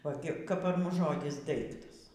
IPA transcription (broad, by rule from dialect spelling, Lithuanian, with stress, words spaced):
oː ˈɡʲɪ kɐp pɐr ˈmʊs ˈʒoːdʲɪs ˈdɐɪktɐs